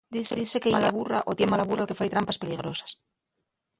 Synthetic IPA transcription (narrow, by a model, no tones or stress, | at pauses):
d̪iseðiθse̞kejalaβura̰ʔo̞t̪jemalaβuralke̞fajt̪ɾampaspe̞liɣ̞ɾo̞sḁs